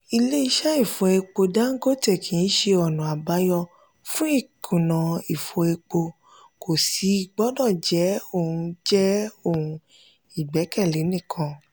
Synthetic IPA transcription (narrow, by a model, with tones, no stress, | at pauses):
i˧le˦i˧ʃa˦i˦˨fo˧e˧k͡po˧da˦ŋ̩˦ɡo˦tɛ˦˨kʰĩ˨˦ʃe˧ɔ˨nũ˨a˨ba˨˦jɔ˧ | fũ˦i˦˨kʰũ˨nã˨i˨fo˧e˧k͡po˧ | ko˨si˨˦˧ɡ͡bɔ˦dɔ˦˨d͡ʒɛ˨˦o˦˨hũ˧d͡ʒɛ˦o˦˨ũ˧ | i˨ɡ͡bɛ˨˦kɛ˦˨le˨˦nĩ˦˨kʰã˧